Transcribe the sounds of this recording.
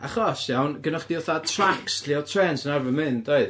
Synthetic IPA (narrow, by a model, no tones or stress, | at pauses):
aχɔsjawnɡənɔχd̥iɔθatʰraksʰliɔtʰrɛːnsənarvənmɨndoɨð